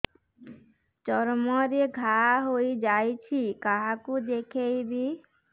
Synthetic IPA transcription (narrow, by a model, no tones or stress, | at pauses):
t͡ʃɔɾmɔɾeɡʱaɦojd͡ʒajt͡ʃʰikaɦakud̪ekʰejbi